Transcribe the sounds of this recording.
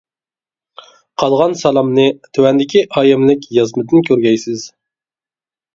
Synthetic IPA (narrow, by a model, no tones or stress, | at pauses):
qʰɑlˠʁɑnsɑlˠɑmnɨt̪ʰøwɛnd̪ɪkʲʰiʔɑːjɪmlɪkʲjɑzmɨd̪ɨnkʲʰøɾɡʲɛjsɪz̥